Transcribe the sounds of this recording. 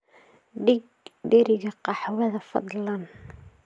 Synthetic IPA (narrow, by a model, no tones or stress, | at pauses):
ɖɪɡ | ɖɪɾɪɣɐqɑħwɐðɐfɐ̰d̪lɐn